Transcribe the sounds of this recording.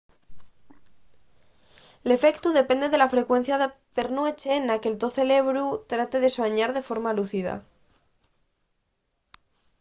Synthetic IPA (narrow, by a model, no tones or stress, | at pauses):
le̞fekt̪uðe̞pe̞nd̪eðe̞lafɾe̞kwe̞nθjaðe | peɾnwet͡ʃeːnakelt̪oθe̞le̞βɾut̪ɾat̪eðesβaɲaɾðe̞fo̞ɾmaluθiða̰